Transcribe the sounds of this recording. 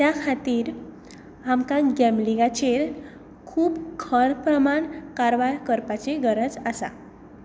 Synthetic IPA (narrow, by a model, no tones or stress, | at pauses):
t̪jakʰat̪iːɾ | amkãɡɛmliɡat͡ɕeɾ | kʰuːbkʰəɳpɾəmaɳkaɾʋajkəɾpat͡seɡəɾəd͡zasa̰